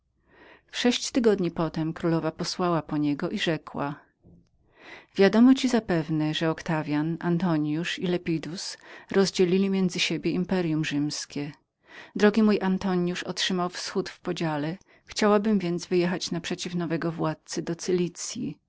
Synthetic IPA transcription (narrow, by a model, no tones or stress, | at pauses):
fʂɛɕt͡ɕt̪ɘɡɔd̪ɲipɔt̪ɛmkɾulɔvapɔswawapɔɲɛɡɔʔiʐɛkwa̰ | vʲjad̪ɔmɔt͡ɕizapɛvnɛʐɛɔkt̪avʲjanʔant̪ɔɲjuʂilɛpʲid̪usɾɔzd͡ʑelʲilʲimʲjɛnd̪zɘɕebʲjɛimpɛɾjumʐɘmskʲɛ | d̪ɾɔɡʲimujʔant̪ɔɲjuʂɔtʂɘmawfsxut̪fpɔd͡ʑalɛ | xt͡ɕawabɘmvʲjɛnt̪zvɘjɛxat͡ɕnapʂɛt͡ɕifnɔvɛɡɔvwat̪̚t̪sɘd̪ɔt̪sɘlʲit̪sʲjḭ